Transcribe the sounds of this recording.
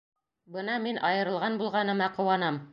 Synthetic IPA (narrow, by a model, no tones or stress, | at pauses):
bɤnɑminʔɑjɤ̆ɾɤ̆lˠʁɑnbulˠʁɑnɤ̆mɑqɤ̆wɑnɑm